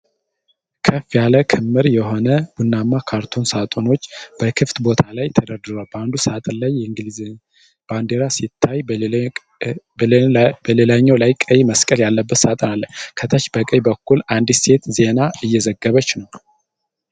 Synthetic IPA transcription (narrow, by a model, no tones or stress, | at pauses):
kʰəfjaləkʰɨmːɨɾjɛɦo̞nəb̥unːamːakʰaɾt̪ʰo̞nsat̪ʼo̞no̞t͡ʃːb̥əkʰɨft̪bo̞t̪ʰalajt̪ʰəd̪əɾd̪ɨɾoalband̪usəat̪ʼlajːɛɨŋɡli | b̥and̪eɾasit̪ʰːaj | bəlelaɲːowlajkʼəjməskʼəljalːəbːət̪sat̪ʼnalːənkʰət̪ʰət͡ʃːbəkʼəjbəkːuland̪st̪ʰe̞t̪ze̞naɨjːɛzəɡːəβət͡ʃːnəw